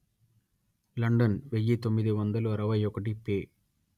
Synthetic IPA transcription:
lɐɳɖɐnʋejːit̪omːiðɯʋɐnd̪ɐluɐɾɐʋɐjɔkːɐʈ̬ipeː

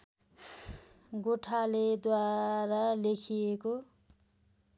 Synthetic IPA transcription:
ɡoʈʰaled̪waɾalekʰijeko

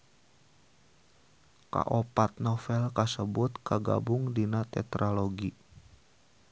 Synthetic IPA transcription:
ka̰ʔopat̪̚nɔfɛlkasəbʊt̪kaɡa̰bʊŋdinat̪ɛ̰t̪ɾʔaloɡi

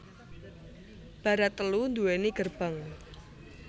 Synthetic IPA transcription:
b̥a̤ɾat̪ːəlund̪uweniɡ̥ərb̥aŋ

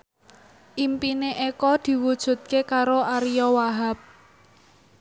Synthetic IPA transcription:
ʔimpineʔekɔd̪̥i̤wud̥ʒ̥ṳt̪̚kekaɾoʔaɾijɔwaɦap̚

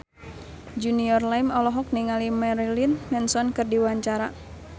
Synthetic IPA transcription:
d͡ʒuniɔrlaimɔlɔɦɔk̚niŋalimɛɾilinmɛnsɔnkɨrdiwaɲt͡ʃaɾa

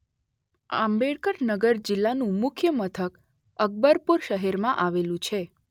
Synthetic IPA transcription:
a̰mbeɭkəɾnəɡəɾd͡ʒɪlːanũmʊkʰjəmət̪ʰək | əɡ̚bəɾpuɾʃəɦeɾmãʔaʋelũt͡ʃʰe

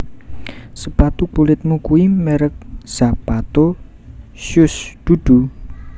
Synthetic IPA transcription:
səpat̪ukulɪt̪̚mukuimɛɾək̚z̥a̤pat̪o | ʃjʊsd̪̥ud̪̥ṳ

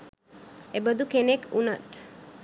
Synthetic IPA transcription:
ebəd̪ukenekʰuna̰t̪

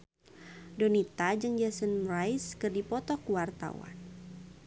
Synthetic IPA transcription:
donit̪ad͡ʒəŋd͡ʒasənrajskɨrdipɔt̪ɔkuwart̪a̰wa̰n

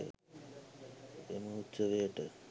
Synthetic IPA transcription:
eməɦutːt͡ʃːəʋejəʈə

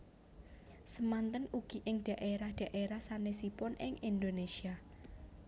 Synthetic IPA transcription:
səmant̪ənuɡ̥i̤ʔɪŋɖ̪̥a̤ʔeɾahɖ̪̥a̤ʔeɾahsanesipʊnɪŋʔind̪onesia

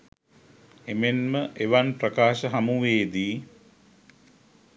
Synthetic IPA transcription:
emenməʔeʋanprəkaːʃəɦɐmuʋeːd̪iː

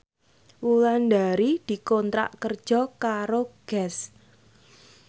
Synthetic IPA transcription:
wulandaɾid̪̥i̤kɔnt̪ɾa̰ʔkərd̥ʒ̥ɔ̤kaɾoɡ̥ɛs

